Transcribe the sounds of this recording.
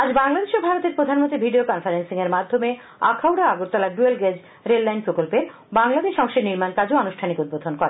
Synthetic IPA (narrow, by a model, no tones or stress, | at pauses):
ad͡ʑbaŋlad̪eʃobʱaɾot̪eɾpɾod̪ʱanmõnt̪ibʱiɖiokɔnfaɾensiŋeɾmad̪ʱːome | akʰawɖaaɡuɾt̪ɔlaɖuelɡed͡ʑ | ɾelːajnpɾokolpeɾ | baŋlad̪eʃɔŋʃeniɾmankad͡ʑoanuʃʈʰanikud̪̚bod̪ʱonkɔɾe